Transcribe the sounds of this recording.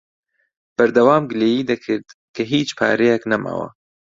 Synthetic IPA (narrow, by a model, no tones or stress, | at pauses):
b̥ɐɾd̪ɐwaːmɡleːjiːd̪ɐkʰɨɾd̪kʰɐɦiːt͡ʃpʰa̰ːɾejaknɐma̰ːwɐ̰